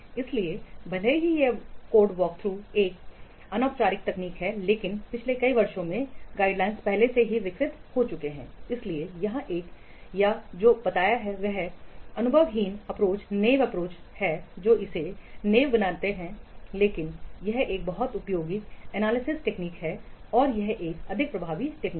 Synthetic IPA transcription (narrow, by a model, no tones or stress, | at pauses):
ɪsliebɐl̤eɦijekoːɾɖʋɔːk̚t̪ʰɾuːeːk̚ | ɐnɔːkt͡ʃaːɾɪk̚t̪ɐkniːkɦɛleːkɪnpɪt͡ʃʰlekɐiʋɐɾʃõmẽɡaːɪɖlaːɪ̃nspɛɦleseɦiʋɪksɪt̪hot͡ʃʊkeɦɛ̃ːɪsliejɐɦãʔeːk | jad͡ʒoːbɐt̪aːjaɦɛʋɛɦɐnʊbʱəʋɦiːnɐpɾoːt͡ʃneːʋɐpɾoːt͡ʃhɛd͡ʒoːɪseneːʋbɐnaːt̪eɦɛ̃leːkɪnjɐɦeːk̚bɐɦɔt̪ʊpjoːɡiɛnaːlɪsɪsʈeːkniːkɦɛɔːɾjɐɦʔeːkɐd̪ʱɪk̚pɾɐbʱaːʋiʈeːkniː